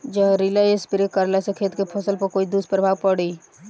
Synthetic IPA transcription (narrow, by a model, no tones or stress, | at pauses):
d͡ʒəɾɪlaespɪɾɪkəɾlesekʰeːt̪kepʰəsəlpəkoːid̪uːspɾəbʱaːʋpəɽiː